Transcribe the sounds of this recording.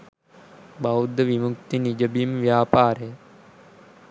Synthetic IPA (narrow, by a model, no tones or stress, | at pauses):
baud̪əʋimukt̪inid͡ʒəbimʋjaːpaːɾe